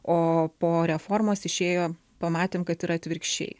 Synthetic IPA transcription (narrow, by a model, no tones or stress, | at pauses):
oːpoːɾʲɛfoːɾmoːsɪʃʲeːjoː | pɐmɑːt̪ʲeːmkɐt̪iɾɐt̪ʲʋʲɪɾʲkʃʲt͡ʃʲɛ̰ɪ